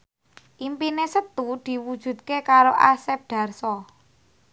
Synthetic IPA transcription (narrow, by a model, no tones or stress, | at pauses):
ʔimpinesət̪ud̪̥i̤wud̥ʒ̥ṳd̪̚kekaɾoʔa̰sɛp̚d̪̥ä̤rsɔ